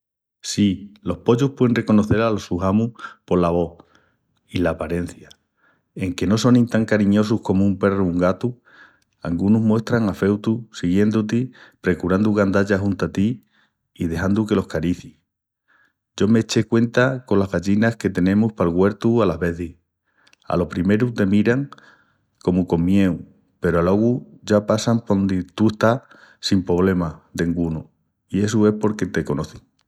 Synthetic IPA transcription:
silo̞hpo̞ʎuhpweenre̞ko̞no̞θe̞ɾalosuhamupo̞laβ̞o̞ | ilaːpaɾe̞n̟θja | e̞ŋke̞no̞so̞nĩnt̪aŋkaɾiɲo̞suhko̞moumpe̞ruuŋɡat̪u | a̰ŋɡunuɦmwe̞st̪ɾaŋafe̞wt̪usiɣje̞nd̪ut̪ipɾe̞kuɾand̪uɣand̪aʎaɦunt̪at̪i | iðe̞hand̪uke̞lo̞hkaɾiθi | ɟ͡ʝo̞me̞t͡ʃe̞kwe̞nt̪ako̞nlaɦβaʝinaske̞t̪e̞nẽ̞muspalɣwe̞ɾt̪ualaβe̞θih | a̰lo̞hpɾime̞ɾut̪e̞miɾaŋ | ko̞muko̞mmje̞w | pe̞ɾoaloɣu | ʝapasaŋpnd̪it̪ueht̪a | simpɾo̞β̞le̞mad̪eŋɡunu | ie̞s̬ue̞spo̞ɾke̞t̪e̞ko̞no̞θiŋ

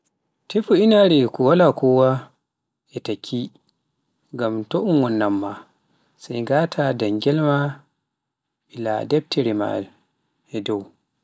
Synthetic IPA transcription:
tefuinaɾɛkɔwalakɔwa | ʔɛtakʰːi | ŋɡamtɔʔunwɔnːamːa | sajɡatʰadaŋɡɛlma | ɓila̰dɛb̚tʰɛɾima̰l | ʔɛdɔw

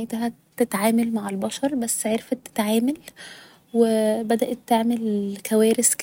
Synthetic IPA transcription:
et̪ɦæ | t̪ːet̪ʕaːmælmaʕelbɑʃɑɾˤbæsːʕeɾfæt̪ːe̥t̪ʕaːmæl | webæd̪æʔæt̪ːeʕmelkʰæwæːɾesk

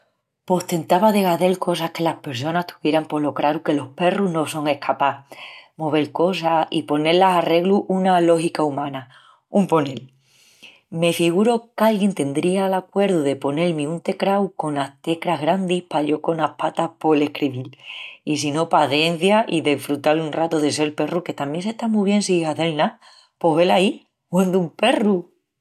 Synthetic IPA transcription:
po̞ht̪e̞nt̪aβaðe̞ɣaðe̞lko̞sahke̞lahpe̞ɾs̬o̞naht̪ʰu̥βje̞ɾampo̞lo̞kɾaɾuke̞lo̞hpe̞ruɦno̞so̞ŋe̞hkʰapamo̞β̞e̞lko̞saipo̞ne̞ɾlasare̞ɣluʔunalo̞hikaumãna | umpo̞ne̞l | me̞fiɣ̞uɾo̞kalɣje̞nt̪e̞nd̪ɾialakwe̞ɾðuðe̞po̞ne̞lmiunt̪e̞kɾawko̞naht̪e̞kɾaɦɣɾand̪ihpaʎo̞ko̞nahpat̪apo̞le̞hkɾiβilis̬ino̞paθje̞n̟θjaʔiðefɾut̪alunrat̪oðe̞s̬e̞lpe̞ruke̞t̪amje̞nse̞ht̪amuβ̞je̞nsiːhaðe̞lna | po̞ɦβe̞lai | hwend̪umpe̞ru

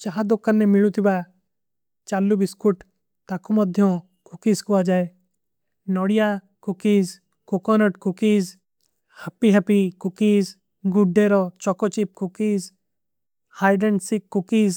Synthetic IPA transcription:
t͡ʃaɦãd̪okːənːɛmɪɭut̪ʰiba | t͡ʃaːlːubɪskuʈ | t̪akumɔd̪ʱjõ | kʊkiːskuad͡ʒaːe | nɔːɽija | kʊkiːz | kokɔnəʈkʊkiːz | hɐpiɦɐpikʊkiːz | ɡʊɖːeːɾɔt͡ʃɔkɔt͡ʃip̚kʊkiːz | haːɪɖensikːʊkiːz

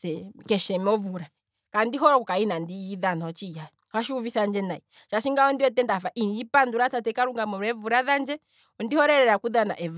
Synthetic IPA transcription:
ɛkɛʃɛmɔvuɾa | kandiɦɔɾɔukainandijiðanaɔt͡ʃijaɛ | hwaʃiuviθand͡ʒɛnai | ʃaʃiŋɡaɔndiwɛtɛndafaʔinipanduɾatatɛkaɾuŋɡamɔɾɛvuɾaðand͡ʒɛ | ɔndihɔɾɛɾɛɾakuðana̰ʔɛva

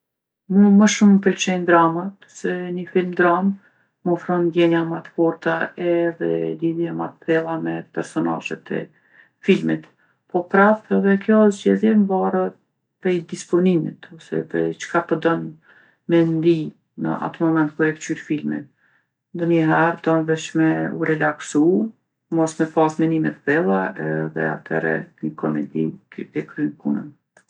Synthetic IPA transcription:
muməʃumpɛlt͡ʃɛjnd̪ɾamat̪ | sɛnəfilmd̪ɾamː | ɔfɾɔnd̪jɛɲamat̪fɔɾt̪aɛðɛd̪iðjamat̪pɛlˠamɛpɛɾsɔna̰ʒɛ̰t̪ʰɛ̰ | filmit̪ | pɔpɾaft̪ɛðɛkjɔzɟɛðjɛmvarə | pɾɛjd̪ispɔnimḭt̪ɔsɛ̰pɛt͡ʃkapɔd̪ɔn | mɛnd̪i | nə̰ʔa̰t̪əmɔmɛnt̪̚kuɛkt͡ʃyɾfilmḭt̪ | d̪ɔnəɦɛɾd̪ɔnvɛʃmɛṵɾɛlaksu | mɔsmɛpasmɛnimɛt̪bɛlˠaɛðɛ̰a̰t̪ʰɛ̰ɾɛ̰nəkʰɔmɛ̰d̪iɛkɾynkunə̰n

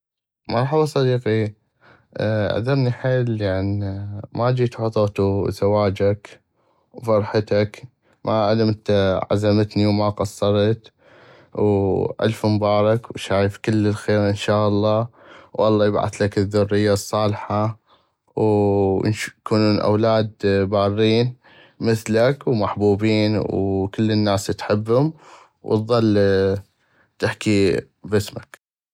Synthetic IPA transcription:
mɑɾˤħɑbɑsˤɑd̪iːqi | ʔa̰d̪ɑɾˤniħeːljaʕnimad͡ʒiːt̪ħʊt̪ˤoːt̪uzawaːd͡ʒak | wfɑɾˤħat̪ak | mʔaʕalamt̪ʕa̰zamat̪niwmaqɑsˤːɑɾˤt̪ | wʔa̰lfmbɑːɾˤɑkwʃaːjfkɪlːɪlxeːɾʔɪnʃaːʔɑlˤːɑː | wʔɑlˤːɑːjɪbʕa̰θlakɪðːʊrːɪjːasˤːɑːlħa | w̰nkunuːnʔa̰wlaːd̪baːrːiːn | mɪθlakwmaħbuːbiːnwkɪlːənːaːst̪ħɪbːhʊm | w̰t̪ðˤɑlː | t̪ɪħki | bɪsmak

